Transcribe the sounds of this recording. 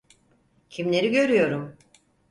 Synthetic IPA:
cʰimlʲe̞ɾiɟø̞ɾyjo̞ɾum

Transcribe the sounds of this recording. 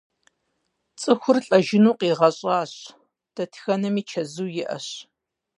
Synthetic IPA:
t͡sʼɨxʷʊrɬʼɐʒɪnuːqiːʁɐɕʼɑːɕ | d̥ɐtʰxɐnɐmiːt͡ʃʰɐzuːjɪʔɐ̰ɕ

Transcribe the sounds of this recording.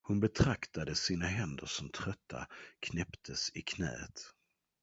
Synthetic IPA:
hʊnbɛt̪ʰɾakt̪ad̪əsiːnaɦɛnd̪əʂɔmt̪ʰɾœt̪ːa̰kʰnɛpt̪ʰəsɪkʰnɛ̰ːt̪

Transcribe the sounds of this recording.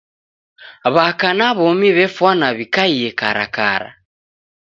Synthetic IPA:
βakanaβɔmiβɛfwanaβikaiɛkaɾa̰ka̰ɾa̰

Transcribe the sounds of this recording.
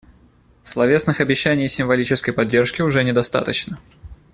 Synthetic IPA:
slˠɐvʲe̞snɨxɐbʲɪɕːænʲɪjsʲɪmvɐlʲit͡ɕɪskəjpɐdʲːe̞rʂkʲɪʊʐɛnʲɪd̪ɐst̪a̰t̪ət͡ɕnə

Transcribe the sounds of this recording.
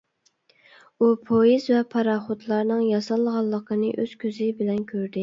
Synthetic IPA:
upʰojizvɛpʰɑɾɑχot̪lˠɑɾnɨŋjɑsɑlˠːəʁɑlˠːəqʰənɨʔøz̥kʲʰøzɪbɪlɛnkʲʰøɾd̪ɪ

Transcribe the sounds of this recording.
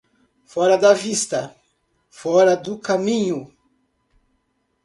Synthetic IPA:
fɔɾɐd̪ɐvist̪ɐ | fɔɾɐd̪ʊkamĩɲʊ

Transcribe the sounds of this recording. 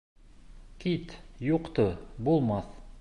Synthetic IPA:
kit̪juqt̪ɤbulˠmɑθ

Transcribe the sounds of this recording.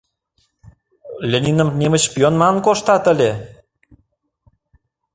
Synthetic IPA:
lʲenʲinə̆mnemət͡ɕpjonmɑnkoʃt̪ɑt̪ə̆lʲe

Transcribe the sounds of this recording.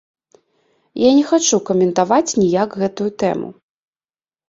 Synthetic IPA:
janʲɛxat͡ʂukɐmʲɛnt̪avat͡sʲnʲijaɡɣɛt̪ujut̪ɛ̰mṵ

